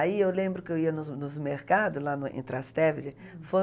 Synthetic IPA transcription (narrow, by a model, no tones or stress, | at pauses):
aiewlẽmbɾʊkɪewiɐnʊnʊzmeɾkad̪ʊlanʊḛ̃t̪ɾast̪ɛvɪɾɪ | fo